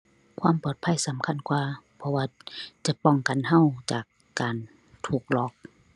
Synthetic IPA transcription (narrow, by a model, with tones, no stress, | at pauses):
kʰwaː˧˥˨mpɔː˨˩t̪̚pʰa˧˥˨jsa˨˦mkʰa˧˥˨nkwaː˧pʰɔ˧waː˧t͡ɕa˧˦pɔ˧˨ŋka˨nɦa˧˨wt͡ɕaː˨˩kːaː˨n | t̪ʰuː˧˩k̚lɔː˧˩k̚